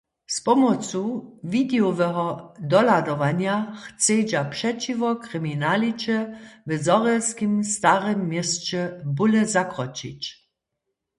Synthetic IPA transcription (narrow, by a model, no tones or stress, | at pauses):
spɔmɔt͡suvidɛɔvɛɦɔdɔladɔʋaɲjaxt͡sed͡ʒapʂɛt͡ʃivɔkʁiminalit͡ʃɛvɛzɔʁɛlskimst̪aʁɛmːjɛst͡ʃɛbulɛzakʁɔt͡ʃḭt͡ɕ